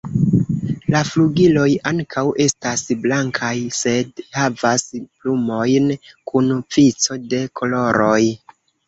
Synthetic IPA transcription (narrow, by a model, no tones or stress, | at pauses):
lafluɡilo̞jaŋkʰawʔe̞stasblaŋkʰajse̞dhavasplumo̞jnkunp͡fit͡so̞de̞kʰo̞lo̞ɾo̞j